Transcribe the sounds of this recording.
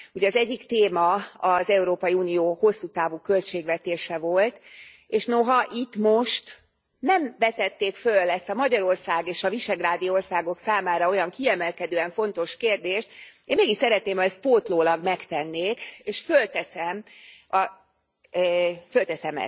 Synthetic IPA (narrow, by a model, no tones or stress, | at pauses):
uɟɛɒzɛɟːikt̪eːmɒɒzɛuɾoːpɒjiuːnijoːho̞sːut̪aːvuːkø̞lt͡ʃeːɡʋɛt̪eːʃɛvo̞lt̪ | eːʃno̞ɦɒʔit̪mo̞ʃt̪ | nɛmvɛt̪ɛt̪ːeːkfølːɛst̪ɒmɒɟɒɾo̞rsaːɡeːʃɒviʃɛɡraːd̪ijo̞rsaːɡo̞ksaːmaːɾɒo̞jɒŋkiɛmɛlkɛd̪øːɛɱfo̞nt̪o̞ʃkeːrd̪eːʃt̪eːmeːɡiʃsɛɾɛt̪̚neːmɒɛst̪̚poːt̪loːlɒɡmɛkt̪ɛnːeːkeːʃfølt̪ɛsɛmɒ | følt̪ɛsɛmɛ̰